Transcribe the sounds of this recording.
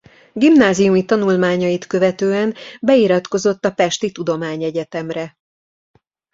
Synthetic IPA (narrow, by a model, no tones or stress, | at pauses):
ɡimnaːzijumit̪ɒnulmaːɲɒjit̪kø̞vɛt̪øːɛnbɛiɾɒt̪ko̞zo̞t̪ːɒpɛʃt̪it̪ud̪o̞maːɲɛɟɛt̪ɛmrɛ